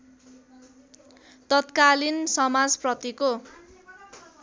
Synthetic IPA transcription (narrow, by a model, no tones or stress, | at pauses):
t̪ʌt̪kalinsʌmad͡zprʌt̪iko